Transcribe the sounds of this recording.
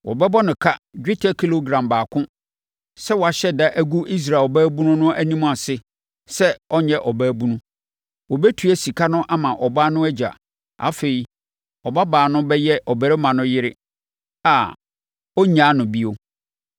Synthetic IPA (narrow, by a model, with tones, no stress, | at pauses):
wʔɔ̰˨bɛ˦bɔ˦nʊ̃˨kʰa˦d͡ʑᶣɪ˦tʰa˦kʰi˦lo˦ɡɾã˨mbaː˨kʰʊ̃˦ | sɛ˦wɔ˨a˨ɕɛ˦da˦ʔæ˦ɡu˦ʔi˦s̬ɾa˨ɔ˨bæː˦bũ˦nʊ̃˦nʊ̃˦ʔæ˦nĩ˦m̃˦a˨sɪ˦ | sɛ˦ɔ˦ɲɛ̃˦ʔɔ˨bæː˦bũ˦nʊ̃˦ | wɔ˨bɛ˦tʰu˨æ˦si˨kʰa˦nʊ̃˦ʔa˦mã˨ʔɔ˨baː˦nʊ̃˦ɛ˦d͡ʑa̰˨ | a̰˨fe˨i˨ | ɔ˨ba˦baː˨nʊ̃˦bɛ˦jɛ˦ʔɔ˨bɛ˨ɾɪ˦mã˨nʊ̃˦jɪ˦ɾɪ˦ | a˨ | ɔ˦ɲã˦nʊ̃˨bi˦o˦